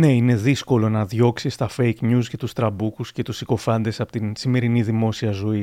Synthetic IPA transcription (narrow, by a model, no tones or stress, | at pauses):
ne̞ine̞ðisko̞lo̞nɐðʝo̞ksist̪ɐfe̞jkɲusce̞t̪ust̪ɾɐbukusce̞t̪usiko̞fɐnd̪e̞sɐpot̪insime̞ɾiniðimo̞siɐzo̞i